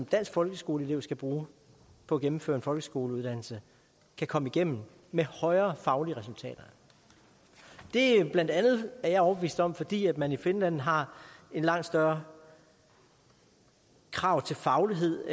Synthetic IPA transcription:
md̥æn̰sɡ̥fɒ̽lɡ̥əsɡ̥o̝ːləele̝ʊ̰sɡ̥æb̥ʁuː | pʰɒ̽æɡ̥emm̩føːɐe̝nfɒ̽lɡ̥əsɡ̥o̝ːləuð̞ˠd̥æn̰l̩sə | kʰækʰɒ̽məiɡ̥em̰m̩ | mehɒ̽ɪɐːfɑ̈ʊliəʁɛsult͡sʰɛ̰ːd̥ɐ | d̥e̝b̥lænd̥ænð̞̩ˠæɐjɑ̈ɪɒʊb̥eʋḭːsd̥ɒ̽m̰fɒ̽d̥ḭːæd̥mænife̝nlæn̰ɦɑ̈e̝nlɑ̈ŋ̰d̥sd̥ɶɐ | kʰʁɑ̈ʊ̰t͡sʰe̝lfɑ̈ʊliɦe̝ð̰ˠ

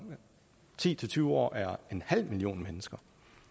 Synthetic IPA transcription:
t͡sʰḭːt͡sʰe̝t͡sʰyːʊɒ̰ːʔæɐe̝nhæl̰milio̝̰ːnmenəsɡ̥ɐ

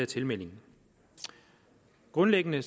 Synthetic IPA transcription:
ɐt͡sʰe̝lmel̰e̝ŋ̩ | ɡ̥ʁɔ̽nleɡ̥ənə

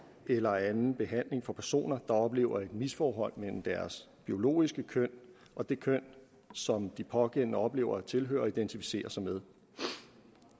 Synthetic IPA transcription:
elɐænn̩b̥e̝ɦæn̰le̝ŋfɒ̽pʰæɐso̝̰ːnɐd̥ɑ̈ɒ̽b̥le̝̰ːʊɐe̝d̥misfɒːɦɒ̽l̰mel̰m̩d̥æɐs | b̥io̝lo̝̰ːisɡ̥əkʰøn̰ | ʔɒ̽d̥e̝kʰøn̰ | sɒ̽md̥ipʰɒ̽ɡ̥en̰nəɒ̽b̥le̝̰ːʊɐt͡sʰe̝lɦø̰ːɐɒ̽id̥ent͡sʰifi̥se̝̰ːɐsɑ̈ɪmeð̞ˠ

